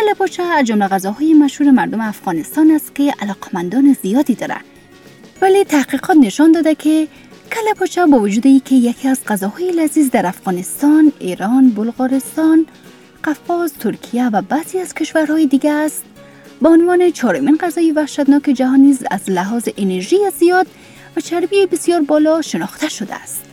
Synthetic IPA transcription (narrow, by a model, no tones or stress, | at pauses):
kalapɔt͡ʃaːzd͡ʒʊmlaɣazɔɦɔjemaʃhuɾemaɾd̪ʊmeafɣɒnɪst̪ɔnast̪̚kealɔqʰḁmand̪ɔnɪzijɒd̪id̪ɒɾa̰ | valet̪ʰahqiqʰɔt̪nɪʃɔnd̪ɒd̪akʰe | kʰalapɔt͡ʃabɔvʊd͡ʒud̪iiːkʰejakʰiazqazɔhɔjɪlazizd̪aɾafɣɒnɪst̪ɒneɾɔnbʊlɣɔɾɪst̪ɔn | qafɔzt̪ʰʊɾkʰijavabaziaz̥kɪʃwaɾɦɔjed̪iɡaːst̪̚ | baʊnvɔnet͡ʃʰɔɾʊminqazɒjevahʃat̪nɔked͡ʒaɦɔnːiza̰zlaɦɔzɪʔeneɾʒijezijɒd̪̚ | vat͡ʃʰaɾbijebɪsjɒɾbɔlɔʃɪnɒxt̪aʃʊd̪a̰ːst̪